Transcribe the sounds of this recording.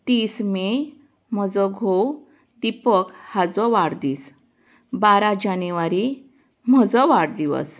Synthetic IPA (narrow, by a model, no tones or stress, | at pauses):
t̪isme | m̤əd͡zɔɡʱow | d̪ipəkhad͡zɔʋaɽd̪iːs | baɾad͡ʑanuʋaɾi | m̤əd͡zɔʋaɽd̪iʋə̰s